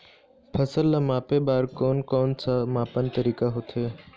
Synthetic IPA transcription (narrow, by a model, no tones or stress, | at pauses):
pʰəsəlːamaːpebaːɾkɔːnkɔːnsʰamaːpənt̪əɾiːkaɦot̪ʰeː